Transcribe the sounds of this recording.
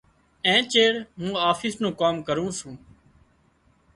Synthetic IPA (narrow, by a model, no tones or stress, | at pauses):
ẽːt͡ʃeːɽmũːaːfʰɪːsnũːkaːmkəɾũːsũː